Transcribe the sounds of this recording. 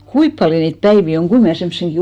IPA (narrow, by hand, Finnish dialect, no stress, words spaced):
kuip pɑljo niːt pæiʋi oŋ ɡ̊ui mnæˑ semːŏsenɡ̊i